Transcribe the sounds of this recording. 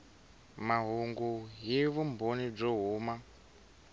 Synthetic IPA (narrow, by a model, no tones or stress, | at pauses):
maɦuŋɡuɦiβumbonib͡ʐɔɦuːma